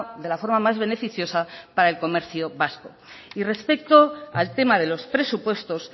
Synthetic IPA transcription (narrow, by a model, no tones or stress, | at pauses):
ðe̞lafo̞ɾmamazβ̞e̞ne̞fiθjo̞sapaɾaelko̞me̞ɾθjo̞βasko̞̰ | ire̞spe̞kt̪o̞alt̪e̞mað̞e̞lo̞spɾe̞supwe̞st̪o̞s